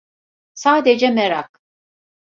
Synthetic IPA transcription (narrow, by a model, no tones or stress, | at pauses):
saːd̪ɛd͡ʒɛmɛɾak̚